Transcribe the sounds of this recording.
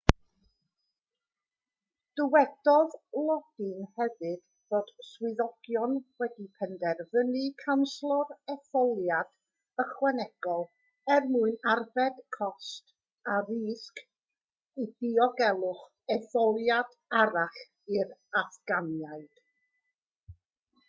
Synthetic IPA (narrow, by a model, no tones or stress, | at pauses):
d̥əwɛd̥ɔðlˠɔd̥ɨnhɛvɨd̥ | v̥oːd̥swɪðɔɡ̥jɔnwɛdipʰɛndɛrvənɨkʰanslˠɔrɛθɔlˠjad̥ | əχwɛnɛɡ̥ɔlˠ | ɛrmuɨnarvɛd̥kʰɔst | aɾiːsk | id̥ɪɔɡɛlˠʊχ | ɛθɔlˠjad̥ | aɾaɬ | ɪɾaθɡ̥anjaɨd̥